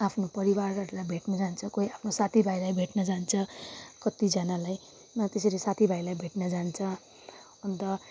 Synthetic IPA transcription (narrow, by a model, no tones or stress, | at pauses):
apʰnopʌɾiwarʌɾulajbʱeʈnʌd͡zant͡sʰʌkoiapʰnosat̪ʰibʱajlajbʱeʈnʌd͡zant͡sʰʌkʌt̪id͡zʌnalaj | nʌt̪esʌɾesat̪ʰibʱajlajbʱeʈnʌd͡zant͡sʰʌ | ʌnt̪ʌ